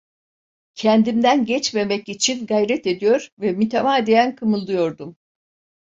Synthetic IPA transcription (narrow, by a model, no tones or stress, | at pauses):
cʰɛnd̪imd̪ænɟɛt͡ʃme̞mɛcit͡ʃʰinɡajɾɛt̪e̞d̪ijo̞ɾvɛmyt̪ʰemaːd̪ejænkʰɯmɯlˠd̪ujo̞ɾd̪um